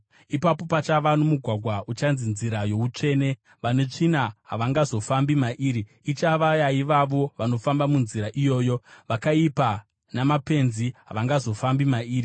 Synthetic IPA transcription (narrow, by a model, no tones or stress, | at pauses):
ipapo̞pat͡ʃaʋanomuɡʱwaɡʱwaut͡ʃanzinziɾajo̞ut͡ʂe̞ːne̞ | ʋane̞t͡ʂinaɦaʋaŋɡazo̞fambimaʔiːɾiːt͡ʃaʋajaiʋaʋo̞ʋano̞fambamunziɾaʔijo̞ːjo̞ʋakaipa | namape̞nziɦa̰ʋaŋɡazo̞fambimaiːri